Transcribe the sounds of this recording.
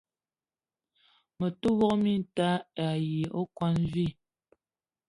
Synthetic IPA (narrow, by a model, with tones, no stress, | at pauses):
mə˨tu˦wɔ˦ʔmi˦˨˦ta˦a˨ji˨o˦kwa˦nvi˦˨